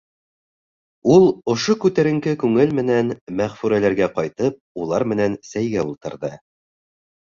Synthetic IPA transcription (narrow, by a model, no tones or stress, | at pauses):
ulˠŏʃokʉt̪æɾɘ̆ŋkɘkʉŋɘlmɘ̆nænmæʁfʉɾælæɾɡæqɑjt̪ɤp̚ulˠɑɾmɘ̆nænsæjɡæulˠt̪ɤ̆ɾðɤ